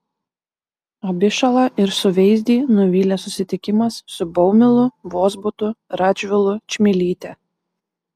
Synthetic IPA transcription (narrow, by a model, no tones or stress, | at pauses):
ɔbʲɪʃɐlˠɐʔɪɾsʊʋʲɛɪzʲd̪ʲiːnʊʋʲiːlʲesʊsʲɪt̪ʲɪkʲɪmɐsːʊbɔʊmʲɪlˠʊʋoːzbʊt̪ʊɾɑd͡ʒʲʋʲɪlˠʊt͡ʃʲmʲɪlʲiːt̪ʲɛ